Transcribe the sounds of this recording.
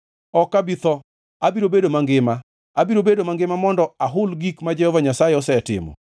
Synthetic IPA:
ɔkabit̪ɔ | abiɾobedomaŋɡɪma | abiɾobedomaŋɡɪmamɔndɔaɦʊlɡikmad͡ʒɛhɔvaɲasajeɔsɛtɪ̰mɔ̰

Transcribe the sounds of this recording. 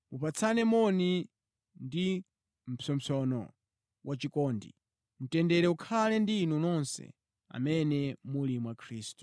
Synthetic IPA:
mupat͡sʰanɛmɔni | ndi | m̩pʰɔm̩t͡sɔnɔ̰ | wʔat͡ʃikɔːndḭ | m̩tɛndɛɾɛukʰalɛndinunɔnsɛ̰ | a̰mɛnɛmulimuwakʰɾiːstu̥

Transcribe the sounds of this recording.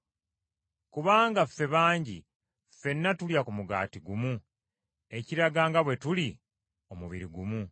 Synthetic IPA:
kuβaːŋɡafe̞βaːɲɟḭ | fe̞nːatuljakumuɡa̰ːtiɡumu | e̞ciɾaɡaːŋɡaβwe̞tuli | o̞muβiɾiɡumu

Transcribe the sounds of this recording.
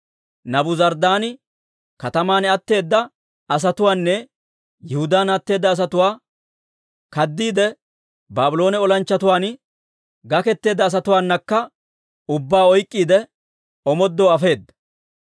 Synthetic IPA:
nɐbʊzɐɾd̪aːn | kɐt̪ɐmaːnɛɐt̪ːe̞ːd̪ːɐ | ɐs̬ɐt̪ʊwaːnːɛ | jɛhʊd̪aːnɐt̪ːe̞ːd̪ːɐːs̬ɐt̪ʊwaː | kɐd̪ːiːd̪ɛ | baːbɪlo̞ːnɛɔlɐnt͡ʃːɐt̪ʊwaːn | ɡɐkɛt̪ːe̞ːd̪ːɐːs̬ɐt̪ʊwaːnːɐkːɐ | ʊbːaːɔjkʼːiːd̪ɛ | ɔmɔd̪ːoːɐfe̞ːd̪ːɐ̥

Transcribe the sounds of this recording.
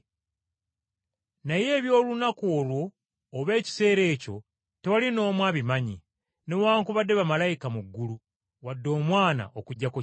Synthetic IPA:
naje̞ːβjo̞ːlunakoːlwo̞ː | βe̞ːci̥se̞ːɾe̞ːco̞̰ | te̞walino̞ːmwaːβimaɲi | ne̞waːŋkuβadːe̞βamalajikamuɡːulu | wadːo̞ːmwaːna̰okuɟːako

